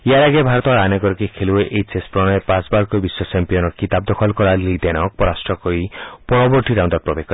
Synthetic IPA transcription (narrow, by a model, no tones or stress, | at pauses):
iaɾaɡebʱaɾɔt̪ɔɾaneɡɔɾɔkikʰelueʔejt͡ʃespɾɔñɔepãsbaɾkobiswɔt͡ʃempijɔnɔɾkit̪ab̚d̪ɔkʰɔlkɔɾalid̪enɔk̚pɔɾasʈɾɔkɔɾipɔɾɔbɔɾʈiɾaw̃nd̪ɔɾpɾɔbekː